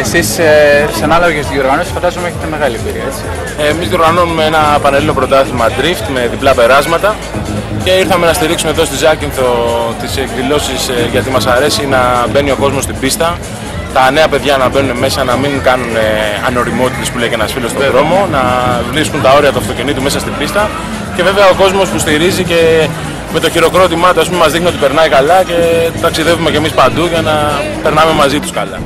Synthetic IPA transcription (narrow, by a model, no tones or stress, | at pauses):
esissɐnɐlɐvecest̪izʝio̞ɾɣɐno̞si̥sfɐd̪ɐzomeeçet̪eme̞ɣɐlibiɾiɐet͡si̥ | emizðioɾɣɐnoumeenɐepɐnelilo̞pɾo̞t̪ɐθimɐd̪ɾift̪me̞ðiplɐpe̞ɾɐzmɐt̪ɐ | ce̞iɾθɐme̞nɐst̪iɾiksume̞ðo̞st̪izɐcinθot̪isekðilo̞sisʝɐt̪imɐsɐɾe̞sinɐbe̞nio̞ko̞zmo̞st̪ibist̪ɐ | t̪ɐne̞ɐpe̞ðʝɐnɐbe̞nuneme̞sɐnɐmiŋɡɐnuneɐ̰no̞ɾimo̞t̪it̪e̞spulejcenɐsfilost̪oɾo̞mo̞nɐvlipsunt̪ɐo̞ɾiɐt̪uɐft̪o̞cenit̪ume̞sɐst̪ibist̪ɐ | ce̞ve̞veɐo̞ko̞zmo̞spust̪iɾizice̞ | me̞t̪o̞çiɾo̞kɾo̞t̪imɐt̪oɐspumemɐzðixnio̞t̪ipe̞ɾnɐikɐlɐce̞t̪ɐksiðe̞vume̞ce̞mispɐnd̪uʝɐnɐ | pe̞ɾnɐme̞mɐzit̪u̥skɐlɐ